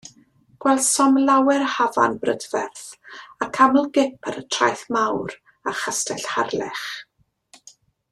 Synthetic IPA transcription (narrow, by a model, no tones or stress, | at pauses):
ɡ̥wɛlˠd̥sɔmlawɛrhava̰nbrədvɛrθakʰamlˠɡɪpʰaɾətʰra̰jθmawɾ | aχastɛɬharlɛχ